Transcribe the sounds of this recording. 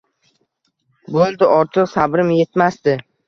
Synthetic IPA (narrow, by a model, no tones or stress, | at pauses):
bolˠd̪ɪʔɒɾt̪ʰɨqsabɾɪmje̞t̪mast̪ɪ